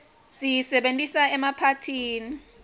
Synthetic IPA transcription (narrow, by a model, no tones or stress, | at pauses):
sijisɛɓentʼisaɛmapʰatʰiːni